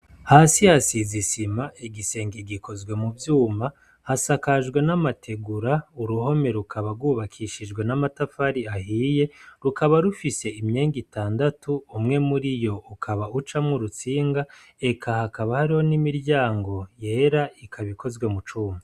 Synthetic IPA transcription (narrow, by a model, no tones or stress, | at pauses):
hasihasizisimaʔiɡise̞ːŋɡiɡikʰo̞zɡwe̞muvjuːma | hasakaʒɡwe̞namatʰe̞ɡuɾauɾuho̞me̞ɾukʰaβaɾɡwuːβakʰiːʃid͡ʒɡwe̞namatafaɾiahiːje̞ɾukaβaɾufise̞imɲeːŋɡitaːndatuːmŋe̞muɾijo̞ukʰaβaut͡ʃamŋuɾut͡siːŋɡa | e̞kʰahakaβahaɾiho̞nimiɾɟaːŋɡo̞je̞ːɾaikʰaβikʰo̞zɡwe̞mut͡ʃuːma